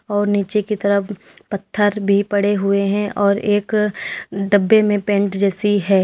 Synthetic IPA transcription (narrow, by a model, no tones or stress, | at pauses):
ɔːɾniːt͡ʃekit̪ɐɾəpɐt̪ʰːəɾbʱipɐɽeɦʊeɦɛ̃ʔɔːɾeːk | ɖɐbːemẽpẽːɳʈd͡ʒɛːsiɦɛː